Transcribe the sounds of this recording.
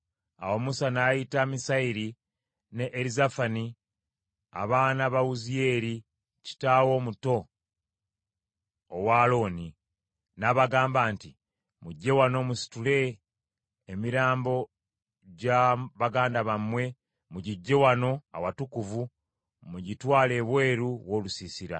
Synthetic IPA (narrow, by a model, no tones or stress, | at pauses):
awo̞musanaːjitamisaiɾi | ne̞ʔːɾizafani | a̰βaːnaβawuzije̞ːɾi | ci̥taːwo̞ːmuto̞ | waːlo̞ːni | naːβaɡaːmbaːnti | muɟːe̞wano̞musi̥tule̞ː | miɾaːmbo̞ | ɟaβaɡaːndaβamwe̞ | muɟiɟːe̞wano̞a̰watukuvu | muɟitwaːle̞ːβwe̞ːɾuwo̞ːlusisiɾa̰